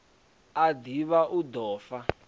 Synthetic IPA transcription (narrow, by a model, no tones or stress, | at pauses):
adiβaʔud̪ɔːfa